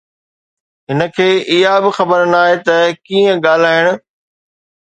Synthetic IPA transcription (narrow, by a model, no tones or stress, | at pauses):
ɦɪnə̆kʰeːʔɪɦabɪxɐbəɾnaːɦet̪ɐkiːə̃ɠaːl̤aːɪɽ̃ʊ̆